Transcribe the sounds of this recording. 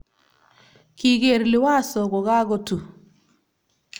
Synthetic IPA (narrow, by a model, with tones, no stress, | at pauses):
ki˦˨ɣe˨ɾlɪ˨wa˦˨sɔ˨ɣɔ˨ɣa˦ɣo˦tu˨